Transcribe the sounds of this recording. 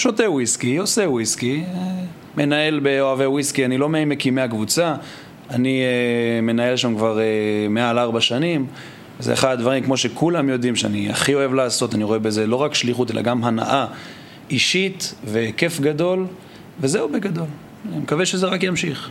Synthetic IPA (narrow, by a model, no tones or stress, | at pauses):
ʃo̞tewiskijosewiskie | me̞nae̞lbe̞oavewiskianilo̞meajmekimeakvut͡sa | anime̞nae̞lʃamkvaʁemealaʁbaʃanim | vezḛḛχadad̪vaʁimkmo̞ʃekulamjo̞d̪imʃeania̰χio̞e̞vlaːso̞taniʁo̞e̞be̞ze̞lo̞ʁakʃliχute̞la̰ɡamɦana̰ʔa | iʃitve̞ke̞fɡado̞l | ve̞zeubeɡad̪o̞l | imekaveʃezeʁakjamʃiχ